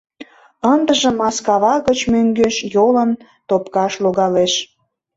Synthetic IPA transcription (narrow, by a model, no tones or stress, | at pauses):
ənd̪əʒə̆mːɑskɑβɑɣət͡ɕmøŋɡøʃjolən | t̪opkɑʃloɣɑleʃ